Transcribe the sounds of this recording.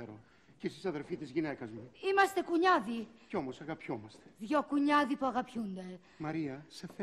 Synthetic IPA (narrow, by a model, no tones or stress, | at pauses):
eɾo | ciisisɐðeɾfit̪izʝinekɐzmuimɐst̪ekuɲaðiceomosɐɣɐpçomɐst̪e̥vjokuɲaðipoɐɣɐpjũnd̪ɐ | mɐɾiɐsef